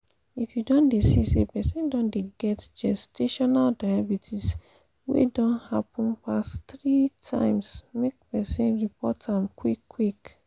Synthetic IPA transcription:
ifjudɔ̃ndesisepɛsĩndɔ̃ndeɡɛtd͡ʒɛstʰeʃɔnaldaabitʰis | wḛdɔ̃nhapɔ̃npastɹitʰã̰ɪ̃msmek̚pɛsĩnɹipɔtãmkwikʰːwik

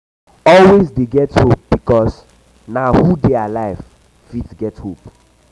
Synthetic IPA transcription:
ɔlwesdeɡɛthop̚b̥ikɔs | naʊhudealaɪv | fidsɡɛthop

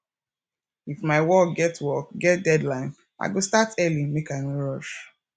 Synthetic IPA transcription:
ifmaɪwɔk̚ɡɛtwɔkɡɛt̚dɛdlãɪ̃n | ʔa̰ɪɡostatɛlĩmekaɪnoɹɔʃ

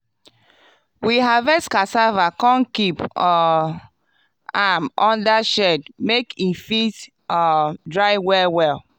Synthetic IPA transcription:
wiɦavɛskasavakɔ̃nkipɔ | amɔ̃ndaʃɛdmekifit | ɔdɹaɪwɛwɛl

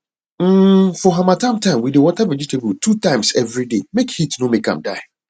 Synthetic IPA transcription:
fɔɦãmãtʰãmtʰãɪ̃mwidewɔtʰɛvəd͡ʒitʰebutʰutʰãɪ̃msɛvɾidemekhitnõmẽkʰã̰mda̰ɪ

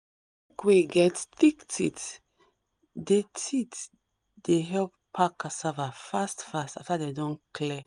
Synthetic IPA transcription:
kwiɡɛtθiktʰit | detʰit | deɦɛlppʰakasavafastfastaftadedɔ̃nklɛ

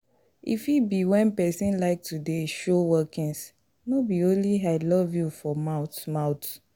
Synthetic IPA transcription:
ḭfibiwɛ̃npɛsĩnlaɪk̚tudeʃowɛkĩns | nobiõnliaɪlɔvjufɔmaʊtmaʊt

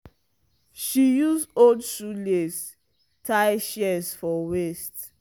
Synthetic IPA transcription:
ʃijuzodsules | tʰaɪʃɛsfɔwest

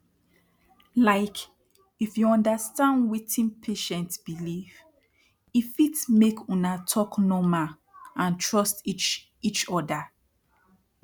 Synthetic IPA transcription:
laɪk | ifjuɔ̃ndastãndwitʰĩnpʰeʃɛ̃ntbiliv | ifitmekʰũnatʰɔknɔma | ãntʰɹɔstit͡ʃ | it͡ʃɔda

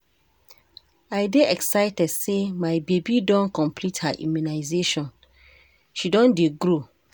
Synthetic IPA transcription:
aɪdeʔɛksaɪtɛdsemaɪbebidɔ̃nkɔ̃mplithaʔḭ̃munaɪzeʃɔ̃n | ʃidɔ̃ndeɡɾo

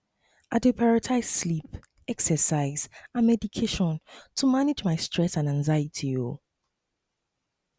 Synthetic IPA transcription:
ʔadepʰaɔɹatʰaɪsslip | ɛksəsaɪzãnmɛdikʰeʃɔ̃ntʰumanɪd͡ʒmaɪstʰɹ̥ɛsãnãnzajətʰio

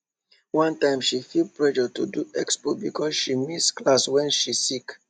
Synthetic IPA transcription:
wʌ̃ntãɪ̃mʃifilpɹɛʃətuduɛkspobikʰɔsʃimisklaswɛ̃nʃisik

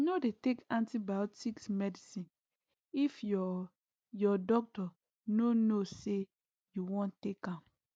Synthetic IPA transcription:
nodetekãntibaʊtsiksmɛdisĩn | ifɔ | jɔdɔk̚tɔ | nonose | juwɔ̃ntekãm

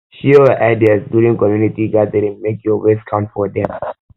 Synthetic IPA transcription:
ʃiəʔaɪdiasbulɪ̃ŋkɔmjunitiɡad̪əɾɛ̃nmekjɔweskʰãʊ̃mtfɔd̪ɛ̃m

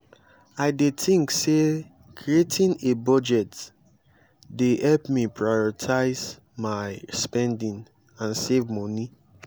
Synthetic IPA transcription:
aɪdetĩŋkse | kʰɹietʰĩnebɔd͡ʒɛt | dehɛlpmipʰɹajɔɹitʰaɪz | maɪspɛ̃ndĩn | ãnsevmɔ̃ni

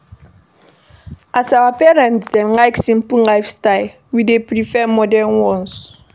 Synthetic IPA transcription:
ʔasawapɛɹɛ̃ntdɛnlajksĩm̩pulajfstal | widepɹifɛmɔdɛnwɔ̃ns

